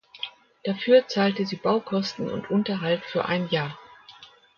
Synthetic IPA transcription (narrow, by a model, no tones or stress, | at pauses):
d̥afyːɐt͡saːltəziːbaʊkʰɔstn̩ʊ̰ntʔʊntɐɦaltfyːɐʔa̰ɪnjaːɐ